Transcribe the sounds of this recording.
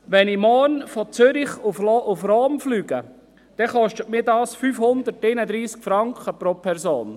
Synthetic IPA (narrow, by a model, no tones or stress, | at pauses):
ʋɛnimɔːnfɔt͡søɾɪχufʔufroːmflyːɡ̥ə | d̥ɛχɔʃtətmiːdɑːsfyfhʊnd̪ərteɪnəd̪ɾiːskfɾɑŋkχəpɾopʰɛɾsoːn